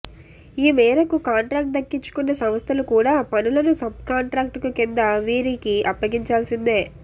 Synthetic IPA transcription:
iːmɛːɾɐkukaːɳʈɾaːk̚ʈ̚d̪ɐkːiɲt͡ʃːu̥kunːɐsɐmɐst̪ʰɐlukuːɽaːpɐnulɐnusɐb̚kaːɳʈɾaːk̚ʈkukind̪ɐʋiːɾikiɐpːɐɡiɲt͡ʃaːlsind̪eː

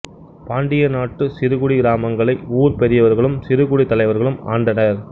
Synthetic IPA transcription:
paːɳɖɪjɐnaːʈːɯsɪɾɯɣʊɽiɡɪɾaːmɐŋɡɐɭɐɪuːɾpɛɾɪjɐʋɐɾɣɐɭɯmsɪɾɯɣʊɽit̪ːɐlɐɪʋɐɾɣɐɭɯma̰ːɳɖɐnɐɾ

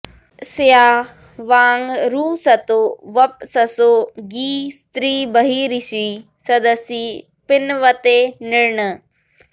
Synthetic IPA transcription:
sɪjaː | ʋaːŋɡɾuːsɐt̪oːʋɐp̚sɐsoːɡiːst̪ɾiːbɐɦiːɾisiː | sɐd̪əsi | pɪnʋɐt̪enɪɽɳə

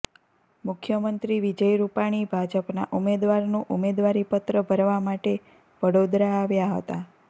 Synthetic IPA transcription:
mʊkʰjəmənt̪ɾiʋid͡ʒəjɾupaɽ̃ibʱad͡ʒəpna̰ʔumed̪ʋaɾnũʔumed̪ʋaɾipət̪ɾəbʱəɾʋamaʈe | ʋəɽod̪ɾaːʋjaɦə̰t̪a

